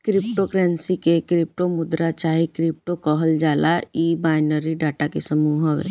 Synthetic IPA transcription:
kɾɪp̚ʈokɾɛ̃ːnsikekɾɪp̚ʈomʊd̪ɾat͡ʃaːɦikɾɪp̚ʈokɔɦəld͡ʒaːlaiːbaːɪnəɾiɖaːʈakesəmuːɦəʋ̰

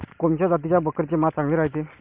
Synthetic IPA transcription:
kɔmt͡ɕad͡zat̪̬it͡ɕjabəkəɾt͡ɕemat̪̚t͡saŋɡlĩːɾaɦjt̪e

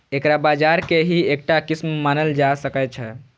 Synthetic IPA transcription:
ekɾabad͡ʒaɾkeɦiek̚ʈakismmanəld͡ʒasəkɛt͡ʃʰɛ

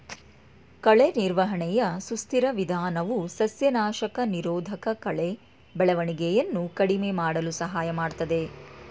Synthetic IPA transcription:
kɐɭeniɾʋɐɦɐɳɛjɐsust̪iɾɐʋid̪ʱaːnɐʋusɐsjɐnaːʃɐkɐniɾoːd̪ʱɐkɐkɐɭe | bɛɭɐʋɐɳiɡejɐnːukɐɽimemaːɽɐlusɐɦaːjɐmaːɽt̪ɐd̪e̞

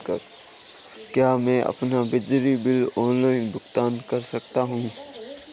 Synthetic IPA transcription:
kəɾ | kjaːmɛ̃ːʔɐ̰pnabɪd͡ʒɾibɪlɔːnlaːɪnbʊxt̪aːnkɐɾsɐk̚t̪aɦũː

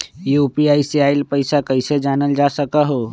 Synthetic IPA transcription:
jupiaiseaːɪlpəɪsakəɪsed͡ʒaːnəld͡ʒasəkəɦo

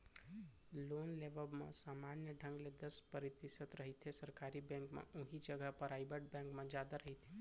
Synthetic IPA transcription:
lonleʋəbmḛ̃samanjəɖʱə̃ŋɡled̪əspəɾit̪isət̪ɾəɦit̪ʰesəɾkaɾibɛ̃ŋkmḛ̃ũɦid͡ʒəɡəɦpəɾaːjbəɖ̚bɛ̃ŋkmẽd͡ʒad̪aɾəɦit̪ʰe

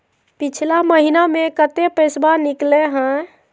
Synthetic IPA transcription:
pit͡ʃʰlaməɦinamẽkət̪epəjsbanikleɦə̃

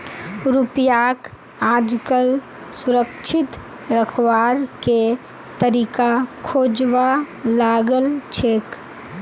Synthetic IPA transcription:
ɾupjaːk | aːd͡ʒkəl | sʊɾəkt͡ʃʰɪt̪ | ɾəkʰwaːɾke | t̪əɾiːkakʰoːd͡ʒwa | laːɡəlt͡ʃʰeːk

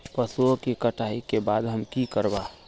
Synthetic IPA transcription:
pəsuokikəʈʰaikebaːd̪ɦəmkikəɾba

